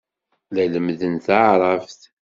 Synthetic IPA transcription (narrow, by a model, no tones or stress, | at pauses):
læləmðənθaʕɾˤɑfθ